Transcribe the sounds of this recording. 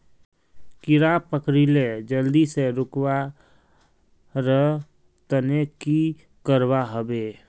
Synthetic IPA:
kɪɾapəkɾiled͡ʒəld̪iseɾʊkwa | ɾəɦ | t̪əneki | kəɾwaɦəbeː

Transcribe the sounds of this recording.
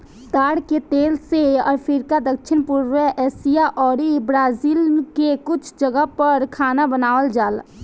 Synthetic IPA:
t̪aːɽket̪eːlseɔ̰ːɾpʰiɾkad̪ək̚ʃʰɪnpuɾʋəʔɛsijaʔɔːɾibɾaːzilkekʊt͡ʃʰd͡ʒəɡəɦpəɾkʰaːnabənaːʋəld͡ʒaːl

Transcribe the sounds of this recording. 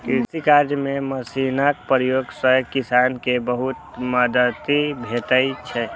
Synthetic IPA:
kiɾsikaɾd͡ʒjmeməsinak̚pɾjoɡsəkisankebəɦut̪mad̪ət̪ibʱet̪əjt͡ʃʰɛ

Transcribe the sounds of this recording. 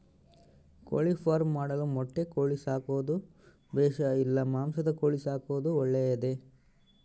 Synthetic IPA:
ko̰ɭipʰaːɾmːaːɽɐlumɔʈːe̞koːɭisaːkoːd̪u | bɛːʃɐilːɐmaːmsɐd̪ɐkoːɭisaːkoʋd̪uɔɭːejɐd̪e

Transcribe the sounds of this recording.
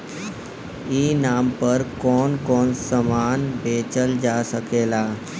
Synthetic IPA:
iːnaːmpəɾkɔːnkɔːnsəmaːnbʱeːt͡ʃəld͡ʒaːsəkeːlaː

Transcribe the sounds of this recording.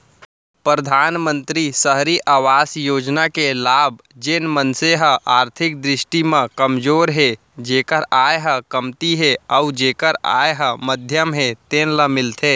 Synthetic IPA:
pɾəd̪ʱaːnmənt̪ɾisəɦɾiʔaːʋaːsjoːd͡ʒnakelaːb̚ | d͡ʒenmənseɦəʔaːɾt̪ʰɪk̚d̪ɾɪsʈimə̃kəmd͡ʒoːɾɦe | d͡ʒeːkəɾajɦə̃kəmt̪iɦeaud͡ʒeːkəɾa̰jɦə̃məd̪ʱjəmɦet̪enləmɪlt̪ʰe

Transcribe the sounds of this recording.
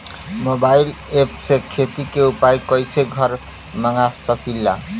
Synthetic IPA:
mobajl | epsekʰet̪ikeupajkʌjseɡʱʌɾ | maŋasʌkʰilːa̰

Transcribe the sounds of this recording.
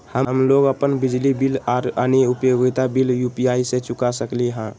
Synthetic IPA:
həmloɡəpənbɪd͡ʒlibilaɾəniupjoɡit̪abiljupijaiset͡ʃʊkasəkliɦã

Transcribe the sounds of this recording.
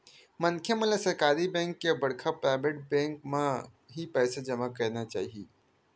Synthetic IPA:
mɐnkʰjemɐ̃lasɐɾkaːɾibɛ̃ːŋkːebɐɽkʰapɾaːɪʋeʈ̚bɛ̃ːŋkmã | ɦipɛːsad͡ʒɐmakɐɾnat͡ʃa̰ːɦieː

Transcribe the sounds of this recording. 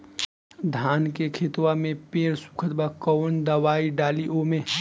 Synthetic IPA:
d̪ʱaːnkekʰeːt̪wamẽpeːɾsu̥kʰət̪bakɔːnd̪ɐʋaːiɖaːliʔomẽ

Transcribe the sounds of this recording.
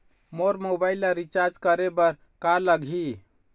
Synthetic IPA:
moɾmobaɪlaɾit͡ʃaɾd͡ʒkəɾebəɾ | kaləɡʱɦi

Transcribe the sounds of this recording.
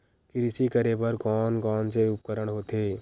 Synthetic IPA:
kɪɾɪsikəɾepəɾkɔːnkɔːnseʊp̚kəɾəɽɦoːt̪eː

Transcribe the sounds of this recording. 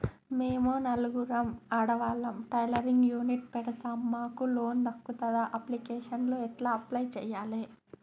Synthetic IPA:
meːmuːnɐluɡuɾɐmɐːɽɐʋaːlɐmʈɐjlɐɾiŋɡjuːniʈ̚pɛɽɐt̪aːmːaːkulo̞ːnd̪ɐkːut̪ɐd̪aʔɐplikeːʂɐnloːɛʈlaːɐplɐjt͡ʃɛːjaːle

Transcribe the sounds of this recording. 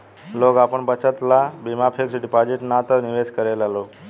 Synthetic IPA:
lokapəɳbət͡ɕət̪labimapʰeksiʈipad͡ʑiʈnat̪əɾniʋeskəɾajlalo

